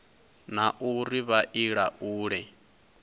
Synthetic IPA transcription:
naʔuriβaʔiɺaʔuːɺɛ

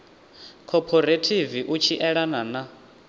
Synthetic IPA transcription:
kʰɔpʰɔɾetʰiviʔut͡ʃʰiʔɛɺanana

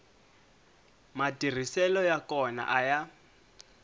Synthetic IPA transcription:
matʼir̤isɛlɔjakɔna̰ʔaja

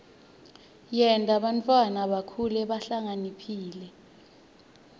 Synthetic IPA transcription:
jɛntʼaɓantʼwanaɓakʰulɛɓaɬaŋanipʰiːlɛ

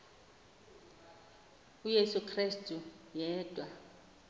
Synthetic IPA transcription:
ujesukʰristʼu | jɛːd̥ʼʱwa

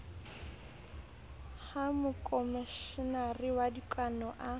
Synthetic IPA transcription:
hamʊkʼɔmiʃɪnariwadikʼanɔʔa

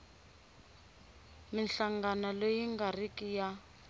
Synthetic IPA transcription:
minɬaŋɡanalojiŋɡarikija

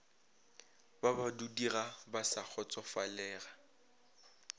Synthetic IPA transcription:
babadudirabasak͡xʰɔt͡sʼɔfalɛːɣa

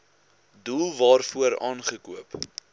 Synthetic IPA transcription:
dulˠvɑːrfuəɾɑːnχəkuəp

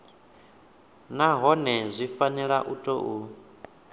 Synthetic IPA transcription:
naɦɔnɛzʷifanɛɺaʔutʼɔʔu

